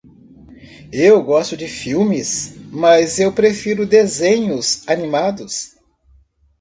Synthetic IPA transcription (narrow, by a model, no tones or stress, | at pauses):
ewɡɔst̪ʊd͡ʒɪfiwmɪsmɐzewpɾefiɾʊd̪ezẽɲʊzanimad̪ʊs